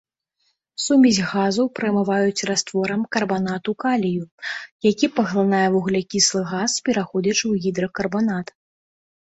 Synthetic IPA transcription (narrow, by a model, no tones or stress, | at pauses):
sumʲizʲɣazɐwpɾɐjmɨvajut͡sʲrast̪vɔɾɐmkɐrbanat̪ukalʲijujakʲipɐɣlˠanajɛvuɣlʲɛkʲislˠɨɣaspʲɛɾaxɔd͡zʲɐt͡ʂwɣʲid̪ɾɐkɐrbanat̪